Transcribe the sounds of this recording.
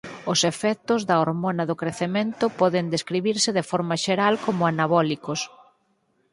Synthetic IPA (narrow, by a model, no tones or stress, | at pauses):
ʊsefɛk̚t̪ʊzðɐoɾmonɐðʊkɾeθemẽnt̪ʊpɔðɪnd̪eskɾiβiɾsɪðefɔɾmɐʃeɾalkomʊanaβɔlikos